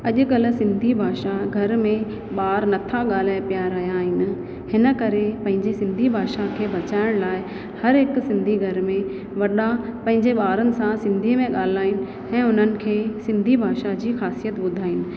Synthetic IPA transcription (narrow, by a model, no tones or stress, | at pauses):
ɐʄʊ̆kɐlʊ̆sɪ̃nd̪ʱibʱaːʃaɡʱɐɾmẽ | ɓaːɾnɐt̪ʰaɠaːl̤aːpijaɾɐɦjaːɦɪnɪ̆ | hɪnə̆kɐɾepɐ̃ɦɪ̃ɲd͡ʑesɪ̃nd̪ʱibʱaːʃakʰeːbɐt͡ɕaːɪɽ̃laːɪ | hɐɾɦɪksɪ̃nd̪ʱiɡʱɐɾmẽ | ʋɐɗapɐ̃ɦɪ̃ɲd͡ʑeɓaːɾənɪ̆sãsɪ̃nd̪ʱimẽɠaːl̤aːɪnɪ̆ | ɛ̃ːʊn̤ənɪ̆kʰeːsɪ̃nd̪ʱibʱaːʃad͡ʑiːxaːsijət̪ɓʊd̪ʱaːɦɪnɪ̆